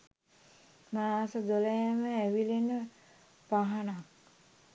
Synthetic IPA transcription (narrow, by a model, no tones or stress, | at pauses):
maaːsəd̪oləjɛməæʋilenə | paɦanak